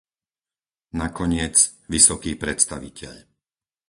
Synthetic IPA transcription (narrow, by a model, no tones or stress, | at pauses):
nakɔɲɪɛt͡sʋisɔkiːpɾɛt̪st̪aʋicʰɛ̰ʎ